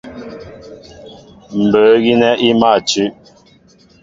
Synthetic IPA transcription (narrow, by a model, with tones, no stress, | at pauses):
m̩˨bə˨˦ɣi˦nɛ˦ʔi˦ma˦˨t͡ʃʉ˦ʔ